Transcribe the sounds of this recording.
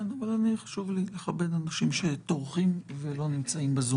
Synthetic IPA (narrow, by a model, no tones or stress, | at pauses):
navalaniχḁʃuvlileχabe̞d̪anaʃimʃe̞t̪oʁχimvelo̞nimt͡saimbezu